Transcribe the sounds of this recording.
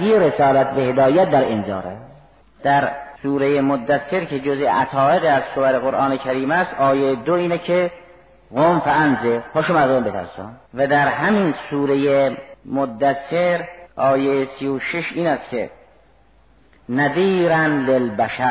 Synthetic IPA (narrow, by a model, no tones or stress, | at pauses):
iːɾesɒːlæt̪̚behed̪ɒːjæt̪̚d̪æɾenzɒ̰ːɾæ | d̪̥æɾsuːɾejemod̪ːæsːeɾkʰed͡ʒozeʔæt̪ʰɒːeɣiæzsobæɾeɣoɾʔɑːnekʰæɾiːmæst̪ɒːjejed̪oiːnɛkʰe | ɣomfæænzeɾpʰoʃomæzombet̪ʰæ̰ɾsɔ̰mvæd̪æɾhæminsuːɾejemod̪ːæsːeɾʔɒːjejesijoʃeʃʔiːnæst̪kʲʰḛ | næd̪iːɾænlelbæʃæɾ